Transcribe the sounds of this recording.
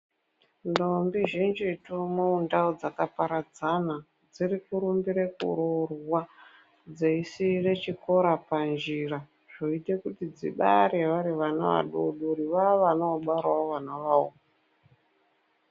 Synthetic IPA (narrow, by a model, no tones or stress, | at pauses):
ndombiʒind͡ʒitumoundaud͡zakapaɾad͡zana | d͡zirikuɾumbiɾekṵɾorwa | d͡zeisire̞t͡ʃiko̞ɾapand͡ʒira | ʐ̥oite̞kutid͡zḭɓaɾeʋaɾiʋana̰ʋa̰ɗuɗuɾiʋaʋanaːɓwarwaoʋanaʋao̰ | a